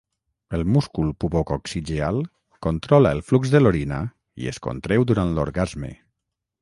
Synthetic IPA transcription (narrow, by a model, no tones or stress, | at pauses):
əlˠmuskulˠpuβokoksid͡ʒealˠ | kont̪ɾɔlaəlˠfluɡzðəloɾina̰ | ḭə̰sko̰nt̪ɾewd̪uɾant̪lo̰ɾɣazmḛ